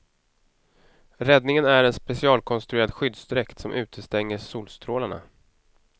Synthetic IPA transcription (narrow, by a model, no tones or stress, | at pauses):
ɾɛd̪nɪŋənæɾɛnspɛsɪɑːlkʰɔnst̪ɾɵeːɾad̪ɧʏd̪sd̪ɾɛkt̪sɔmʔʉ̟ːt̪ʰəst̪ɛŋːəʂuːlst̪ɾoːlaɳa̰